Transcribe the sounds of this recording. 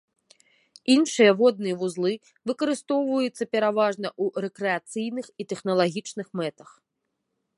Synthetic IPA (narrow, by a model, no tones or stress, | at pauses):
inʂɨjɐvɔd̪̚nɨjɐvuzlˠɨ | vɨkɐɾɨst̪ɔwvɐjut̪sːɐpʲɛɾavaʐnɐʔuɾɛkɾɛat̪sɨjnɨxit̪ɛxn̪ɐlˠaɣʲit͡ʂnɨxmɛt̪ɐ̥x